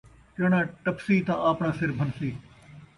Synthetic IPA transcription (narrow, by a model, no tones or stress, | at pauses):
t͡ʃɐɽãːʈɐpsiːt̪ãʔaːpɳãːsɪɾbʱɐnsiː